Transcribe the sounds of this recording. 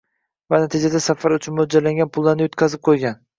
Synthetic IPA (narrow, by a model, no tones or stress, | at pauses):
vanat̪ʰɪd͡ʒad̪asafaɾʊt͡ʃʰʊnmod͡ʒalaŋɡʲanpʰʊlˠːaɾnɪjot̪kʲʰazɪp̚qʰojɡʲan